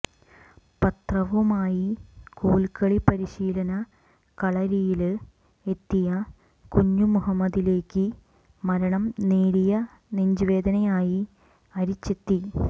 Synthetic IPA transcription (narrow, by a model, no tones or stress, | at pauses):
pɐt̪rɐʋumaːjikuːɭkɐɭipɐɾiɕiːlɐnɐ | kɐɭɐɾijil | e̞t̪ːijɐ | kuɲːumuɦɐmːɐd̪ile̞ːkːɨ | mɐɾɐɳɐmneːɾijɐ | neɲd͡ʑiʋe̞ːd̪ɐnɐjaːji | ɐɾit͡ɕːe̞t̪ːi